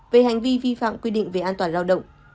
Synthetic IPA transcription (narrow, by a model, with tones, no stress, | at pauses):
ve˨˩ha˨˩jŋ̟vi˧vi˧fa̰ː˧˨mkwi˧ɗḭ̈˧˨ŋ̟ve˨˩ʔaː˧nt̪waː˨˩nzaː˧wɗə̰˧˨wŋ͡m